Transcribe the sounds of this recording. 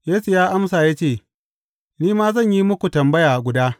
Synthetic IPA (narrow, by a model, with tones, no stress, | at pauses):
jeː˦su˨jaː˦ʔa˦msaː˨ja˦t͡ʃeː˦˨ | niː˦maː˦zɐ˦˨ɲji˦mʊ˦kʷu˨tɐ˨mbɐ˦jaː˨ɡʷʊ˨daː˦